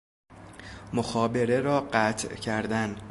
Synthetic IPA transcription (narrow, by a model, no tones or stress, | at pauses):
moxɒːbe̞ɾe̞ɾɒːɢæt̪ʰcʰæɾd̪æn